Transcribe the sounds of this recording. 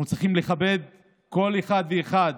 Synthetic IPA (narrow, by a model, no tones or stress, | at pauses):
ut͡sʁiχimle̞χabe̞d̪ | ko̞leχad̪veːχad